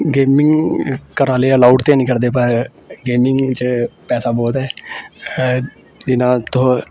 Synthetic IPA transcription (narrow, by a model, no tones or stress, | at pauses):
ɡeːmɪ̃ŋɡkəɾaːleːəlaːuːɖt̪eaːnĩːkəɾd̪eːpəɾ | ɡeːmɪŋɡt͡ʃpɛːsaːbɔːt̪ɦɛː | d̪ɪnãːt̪ʊɦo